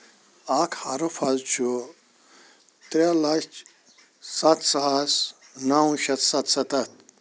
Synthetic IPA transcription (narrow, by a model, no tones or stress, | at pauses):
akʰhaɾupʰɐzt͡ʃʰu | t̪ɾelɐt͡ʃ | sɐt̪sas | nawũʃɐt̪sɐt̪sɐt̪ɐt̪̚